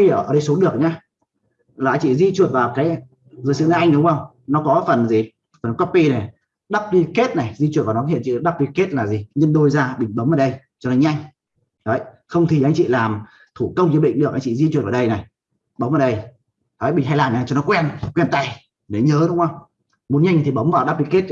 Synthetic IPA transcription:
əː˧˩ə˧˩ɗə˧jso˨˦ɗɨ˨˩ək̚ɲaː˧ | laː˨˧˦ŋt͡ɕḭ˧˨zi˧t͡ɕu˨˩t̚vaː˨˩wkaː˨˦j | zɨ˨˦jsɨ̰˧˨na˨˧˦ʔa˧jŋ̟ɗʊ˨˦ŋ͡mxə˧wŋ͡m | nɔ˨˦kɔ˨˦fə˨˩nzi˨˩ | fə˨˩n˨kɔ˦˥pːi˧na˨˩ | ɗa˦˥k͡p̚li˧ke˦˥t̚na˨˩jzi˧t͡ɕu˨˩t̚va˨˩nɔ˨˦˥hḭ˧˨t͡ɕḭ˧˨˧ɗa˦˥k͡p̚i˧ke˦˥t̚laː˨˩zi˨˩ɲə˧nɗo˧jzaː˧ɓï˧˩ŋ̟ɓə˨˦mʔəː˨˩ɗə˧j | t͡ɕɔ˧nɔ˨˦ɲa˧jŋ̟ | ɗə˨˦j | xə˧wŋ͡mt̪ʰi˨˩ʔa˧jŋ̟t͡ɕḭ˧˨laː˨˩m | t̪ʰu˧˩kə˧wŋ͡mzɨ˧ɓï˧˨ŋ̟ɗɨ˨˩k̚ʔa˧jŋt͡ɕḭ˧˨zi˧t͡ɕu˨˩t̚vaː˨˩ɗə˧jna˨˩j | ɓə˨˦wmʔːɗə˧j | t̪ʰə˨˦ɓï˨˩ŋ̟ɦa˧jlaː˨˩nɲaː˨˧˩t͡ɕɔ˧nɔ˨˦kwɛ˧nkwɛ˧nt̪a˧˩j | ne˨˦ɲəː˨˦ɗʊ˨˦ŋ͡mə˧wŋ͡m | mo˨˦nɲa˧ŋ˨˩t̪ʰi˨˩ɓə˨˦wŋ͡mvaː˨˩wɗa˦˥k͡p̚li˧ke˦˥t̚

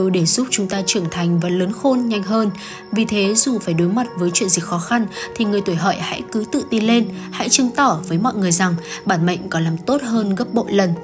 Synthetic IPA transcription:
o˧jɗe˧˩z̥ʊ˦˥p̚t͡ɕʊ˨˦ŋ͡mt̪aː˧t͡ɕɨ˧˩əŋt̪ʰa˨˩jŋ̟vaː˨˩ləː˨˦nxo˧nɲa˧jŋ̟ɦəː˧n | vi˨˩t̪ʰe˨˦zu˨˩faː˧˩jɗo˨˦jma˨˩t̚vəː˨˦jt͡ɕwḭ˧˨ənzi˨˩k̚xɔ˨˦xa˧nt̪ʰi˨˩ŋɨ˨˩əjt̪u˧˩jɦɔ̰ː˧˨jha̰˧˥jkɨ˨˦t̪ɨ̰˧˨t̪i˧le˧nha̰˧˥jt͡ɕɨ˧ŋt̪ɔ˧˩vəː˨˦jmɔ̰˧˨jŋɨ˨˩əjza˨˩ŋɓaː˧˩nmə̰˧˨ŋ̟kɔ˨˦laː˨˩mt̪o˦˥t̚ɦəː˧nɣə˦˥p̚ɓo̰˧˨lə˨˩n

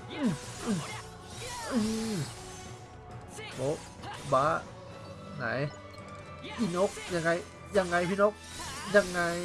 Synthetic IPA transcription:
ʔɯ˧˩ʔɯ˧˩ | ʔɯ˧ | bo˨˦ | baː˨˦˥ | ŋa̰˨˦j | ʔi˧˩no˦˥k̚ja˧ŋːa˧j | ja˧ŋːa˧˩jpʰi˧no˦˥k̚ja˧˩ŋːa˧j

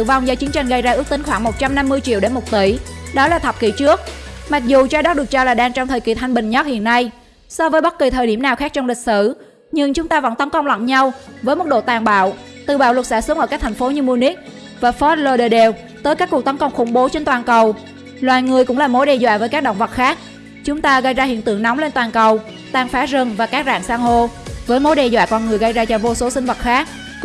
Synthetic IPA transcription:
ɨ̰˧˨va˧wŋ͡mzɔː˨˦t͡ɕi˨˦ənt͡ɕa˧jŋ̟ɣə˧jzaː˧ʔɨ˦˥ək̚t̪i˨˦ŋxwaː˧˩ŋmo˨˩t̚t͡ɕa˧mna˧mːɨ˧əjt͡ɕḭ˧˨əwɗe˧˦nmo˨˩t̚t̪i˧˩ɗɔ˨˦laː˨˩t̪ʰə˨˩p̚kḭ˧˩t͡ɕɨ˦˥ək̚ma˨˩k̚zu˨˩t͡ɕaː˧˦ɗɔ˦˥ɗɨ˨˩ək̚t͡ɕɔ˧laː˨˩ɗaː˧ŋt͡ɕɔ˧ŋ͡mt̪ʰəː˨˩jki˧˩t̪ʰa˧jŋ̟ɓï˨˩ŋ̟ɲɔ˦˥t̚hḭ˧˨ənːa˧j | sɔ˧vəː˨˦jɓə˦˥t̚ki˨˩t̪ʰəː˨˩jɗi˧˩mnaː˨˩wxa˦˥k̚t͡ɕɔ˧ŋ͡mlï˨˩k̟̚sɨ˧˩ | ɲɨ˧ŋt͡ɕʊ˨˦ŋ͡mt̪aː˧və̰˧˥nt̪ə˨˦nkə˧wŋ͡mlwa̰˧˨nɲa˧wvəː˨˦jmo˨˩t̚ɗo̰˧˨t̪aː˨˩ŋɓa̰ː˧˨wt̪ɨ˨˧˩ɓaː˧˩wlwə˨˩t̚sa̰ː˧˩sɨ˨˦ŋʔəː˧˩kaː˦˥k̚t̪ʰŋfo˨˦ɲɨ˧mu˧ni˦˥k̚ | vaː˨˩fɔ˦˥t̚lo˧ɗə˧˩ɗe˧˩w | t̪əː˨˦jkaː˦˥kːu˨˩k̚t̪ə˨˦nkə˧wŋ͡mxʊ˧˩ŋ͡mɓo˨˦t͡ɕe˧nt̪waː˨˩nkə˨˩w | lwaː˨˩jŋɨ˨˩əjkʊ̰˧˥ŋ͡mlaː˨˩mo˨˦jɗɛ˧zwa̰ː˧˨vəː˨˦jkaː˦˥k̚ɗo̰˧˨ŋ͡mvə˨˩t̚xaː˦˥k̚ | t͡ɕʊ˨˦ŋ͡mt̪aː˧ɣə˧jzaː˧hḭ˧˨ənt̪ɨ̰˧˨əŋn˨˦wŋ͡mle˧nt̪waː˨˩nkə˨˩w | t̪aː˧ŋfaː˨˦zə˧nvaː˨˩kaː˦˥k̚za̰ː˧˨ŋsaː˧ŋɦo˧vəː˨˦jmo˨˦jɗɛ˧zwa̰ː˧˨kɔ˧nŋɨ˨˩əjɣə˧jzaː˧t͡ɕɔ˧˩vo˧so˨˦sï˧ŋ̟və˨˩t̚xaː˦˥k̚

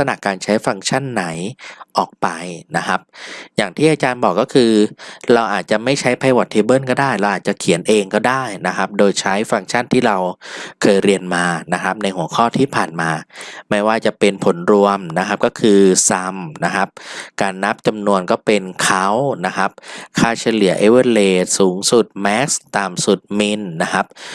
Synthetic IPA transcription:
sa˧na˨˩ʔkːaː˧nt͡ɕʰa˦˥jfɾa˧ŋt͡ɕʰa˥˩nːa˩˦jʔɔː˨˩k̚pa˧jna˦˥kʰa˦˥p̚jaː˨˩ŋt̪ʰiː˥˩ʔaː˧t͡ɕaː˧nbɔː˨˩kːɔː˥˩kʰɯː˧ɾa˧wʔaː˨˩t̪̚t͡ɕa˨˩ʔma˥˩jt͡ɕʰa˦˥jpʰa˧jwa˨˩t̪ʰːeː˧bɤː˥˩nkɔː˥˩daː˥˩jɾa˧wʔaː˨˩t̪̚t͡ɕa˨˩kʰi˨˩˦nʔeː˧ŋkɔː˥˩daː˥˩jna˦˥kʰɾa˦˥p̚doː˧jt͡ɕʰa˦˥jfɾa˧ŋt͡ɕʰa˥˩nt̪ʰiː˥˩ɾa˧wkʰɤː˧jɾi˧ənmaː˧na˦˥kʰɾa˦˥p̚na˧jhu˩˦ɐkʰɔː˥˩t̪ʰiː˥˩pʰaː˨˩nmaː˧ma˥˩jwaː˥˩t͡ɕa˨˩ʔpe˧npʰo˩˦nɾu˧əmna˦˥kʰa˦˥p̚kɔː˥˩kʰɯː˧sa˧mna˦˥kʰa˦˥p̚kaː˧nːa˦˥p̚t͡ɕa˧mnu˧ənkɔː˥˩pe˧nkʰa˦˥wna˦˥kʰa˦˥p̚kʰaː˥˩t͡ɕʰa˧jlɯ˩˦ɐʔe˦˥wɤː˥˩leː˧suː˩˦ŋsu˨˩t̪̚mɛ˦˥k̚st̪aː˨˩msu˨˩t̪̚mi˧nːa˦˥kʰa˦˥p̚

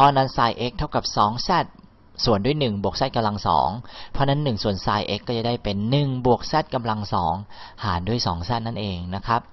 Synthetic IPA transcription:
pʰɔ˧˥na˦˥˨nsaː˧jʔe˦˥k̚t̪ʰa˥˩wka˨˩p̚sɔː˩˦ŋsɛː˥˩t̪̚ | su˨˩əndu˥˩jnɯ˨˩ŋbu˨˩ək̚sɛː˥˩t̚ka˧mla˧ŋsɔ̰ː˩˦ŋpʰɔ˧˥na˦˥˩nːɯ˨˩ŋsu˨˩ənsaː˧jʔe˦˥kːɔː˥˩t͡ɕa˧˩˦da˥˩jpe˨nːɯ˨˩ŋbu˨˩ək̚sɛː˥˩t̪̚ka˧mla˧ŋsɔː˩˦ŋhaː˩˦ndu˥˩əjsɔ̰ː˩˦ŋsɛː˥˩na˥˩nʔeː˧ŋna˦˥kʰɾa˦˥p̚

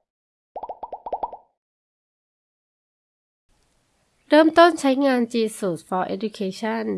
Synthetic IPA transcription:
ɾɤː˥˩mt̪o˥˩nt͡ɕʰa˦˥jŋaː˧nt͡ɕiː˧˩suː˨˩t̪̚fɔː˧ʔḛ˦˥du˧kʰeː˧t͡ɕʰa˥˩˨n

